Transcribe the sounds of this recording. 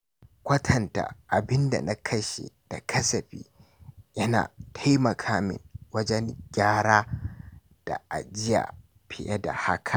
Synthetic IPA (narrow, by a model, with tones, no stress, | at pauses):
kʷɐ˦tʰɐ˨nta̰˨ʔa˨bɪ˦nda̰˨na˦kʰɐ˦ʃḛ˨d̥a˨kʰɐ˦sɐ˨ɸḭː˦ | jɐ˦na̰ː˨tʰa˦jmɐ˨kʰaː˦mɪ̰˨ŋwɐ˦d͡ʒɛ˦ŋɡʲaː˦ɽaː˦ | d̥a̰˨ʔa̰˨d͡ʒɪ˦ja̰ː˨ | pʰɪ˨jɐ˦da̰˨ha˦kʰa˨